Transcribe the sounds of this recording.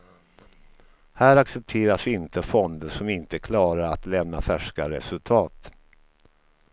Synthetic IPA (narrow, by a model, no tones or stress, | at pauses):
hæːɾaksɛp̚t̪ʰeːɾasɪnt̪əfɔnd̪əʂɔmɪnt̪əkʰlɑːɾaɾat̪lɛmna̰fæʂkaɾɛ̰sɵlt̪ʰɑːt̪